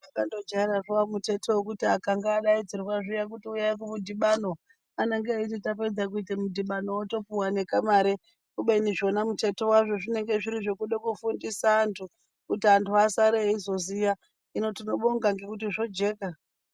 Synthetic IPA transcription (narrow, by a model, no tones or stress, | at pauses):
akando̞d͡ʒaeɾaʐowamute̞tʰewokutiakaŋɡaːɗaid͡zirwaʐijak̬utiujaikumudʱiɓano̞ | aneŋɡeaititape̞d͡zak̬uitemudiɓano̞woto̞puwane̞kamaɾe | kuɓeniʐo̞namute̞to̞waʐo̞ʐine̞ŋɡe̞ʐiɾiʐo̞kuɗekufundisaːntʰu | kutiantʰuasaɾeizo̞zija | ino̞tino̞ɓoŋɡaŋɡe̞kutiʐo̞d͡ʒe̞ːka